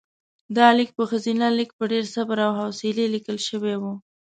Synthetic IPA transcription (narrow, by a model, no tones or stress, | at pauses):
d̪ɑlik̚pəxazinalik̚pəɖeɾsabɾawɦawselelikəlʃəwewu